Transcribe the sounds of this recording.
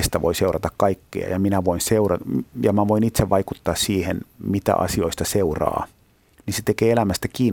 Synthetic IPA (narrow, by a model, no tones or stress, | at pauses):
st̪æʋo̰iseurɑt̪ɑkkɑikːḛɑ̰jɑminæʋoinseurɑjɑmæʋoinit̪seʋʋɑikut̪ːɑːssiːhenmit̪æ̰ʔɑ̰sioist̪ɑseurɑ̰ː | ninset̪ekeːelæmæst̪ækiːn